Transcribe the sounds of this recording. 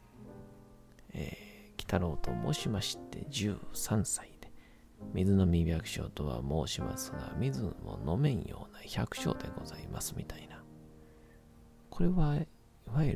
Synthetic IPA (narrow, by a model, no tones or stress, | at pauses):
eːkʲi̥t̪aɾo̞ːt̪o̞mo̞ːɕimaɕi̥t̪ːe̞d͡ʑɨːsãɰ̃said̪̥e̞̥ | mʲizɨno̞mʲibʲjakɯ̟̥ɕo̞̰ːt̪o̞βa̰mo̞ːɕima̰sɨɡa̰mʲizɨ̃mo̞̰no̞mẽ̞ɰ̃jo̞ːnaçakɯ̟̥ɕo̞̰ːd̪e̞ɡo̞zaimʔasɨmʲit̪ʰaina | kʰo̞ɾe̞βa | iβai